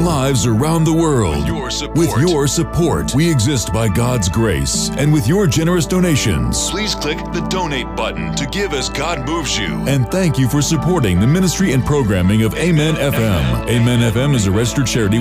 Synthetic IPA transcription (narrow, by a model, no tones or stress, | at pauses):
laɪvzə˞ãʊ̃nðəwɜ˞lˠd̥ | wɪðjə˞sɨpʰɔɹt̚wiɨɡzɪst̚b̥aɪɡɑdzɡɹeɪsʔɨ̃nwɨðjə˞d͡ʒɛnə˞ɨsd̥õʊñeɪʃɨ̰̃nz̥pʰl̥iz̥kʰl̥ɪk̚ðɨdõʊ̃neɪt̚b̥ʌʔn̩tʰɨɡɪvɨzɡɑd̚muvzjʉ̰ɨ̃nθæ̃ŋkjɨfə˞sɨpʰɔɹɾɪ̰̃ŋðɨmɪ̃nɨstɹ̥iɨ̃npʰɹ̥oʊɡɹæ̃mɪ̃ŋʌveɪmɛ̃nɛfɛ̃meɪmɛ̃nɛfɛ̃mɨzɨɹɛstə˞t͡ʃʰɛɹɨɾi